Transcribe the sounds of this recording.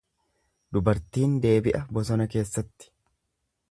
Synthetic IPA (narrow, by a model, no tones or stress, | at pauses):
d̪ʊbɐɾt̪iːnd̪e̞ːbɪʔɐbɔsɔnɐke̞ːsːɐt̪ːɪ̥